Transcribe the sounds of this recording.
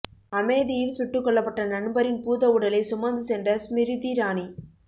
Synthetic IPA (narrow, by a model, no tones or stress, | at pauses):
ɐmɐɪðɪjɪlsʊʈːɯkːɔɭːɐpːɐʈːɐnɐnbɐɾɪnpuːðɐʊɽɐlɐɪsʊmɐnd̪ɯsɛndrɐsmɪɾɪðiɾaːni